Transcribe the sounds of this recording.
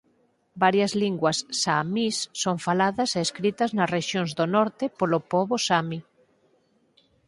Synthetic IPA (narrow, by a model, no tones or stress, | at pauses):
baɾjɐzliŋɡwɐsːamisːoŋfalaðɐseːskɾit̪ɐznɐsreʃjoŋzðonɔɾt̪ɪpolopɔβosami